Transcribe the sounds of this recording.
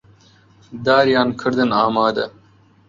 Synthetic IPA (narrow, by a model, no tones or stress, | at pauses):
d̪aːɾjɑːnkʰɨɾd̪ɨnaːmaːd̪ɐ